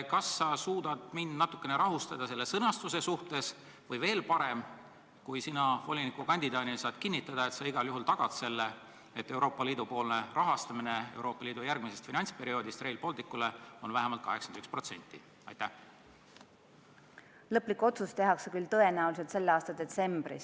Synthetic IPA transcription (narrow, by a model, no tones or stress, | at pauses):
kɑsːɑsuːd̪̥ɑd̪̥mind̪̥nɑt̪ːˑu̥kːˑe̞neɾɑɦust̪ɑd̪̥ɑse̞lːe̞sɤnɑst̪use̞suht̪e̞s | vɤjve̞ːlpɑɾe̞m | kujsinɑvo̞lʲinikukɑnʲd̪̥id̪ɑːd̪ilsɑːd̪̥kinːit̪ːˑɑd̪̥ɑe̞t̪sɑiɡ̥ɑljuɦult̪ɑɡ̥ɑd̪̥se̞lːe | et̪ːe̞wɾo̞ːpːɑliːd̪upo̞ːlne̞rʔɑɦɑst̪ɑminee̞̰wɾo̞ːpːˑɑliːd̪̥ujærɡ̥misest̪finɑnʲspe̞ɾio̞ːd̪̥ist̪re̞jlpo̞lt̪ikːˑule̞o̞nvæɦemɑlt̪̚kɑ̰ɦe̞ksɑnd̪ykspro̞t̪se̞̰nʲt̪ːˑi | ɑ̰jt̪æh | lɤplikuo̞t̪sust̪e̞ɦɑksekylt̪ɤ̞e̞næulis̬e̞lt̪se̞lːeɑːst̪ɑd̪̥e̞t̪se̞mb̥ɾḭs